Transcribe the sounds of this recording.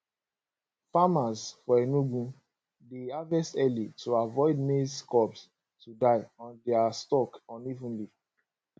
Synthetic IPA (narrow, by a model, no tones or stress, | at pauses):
famasfɔɛnuɡũ | deavɛstɛlitʰuavɔɪdmeskɔps | tudaɪɔ̃ndɛastɔkɔ̃nivũnli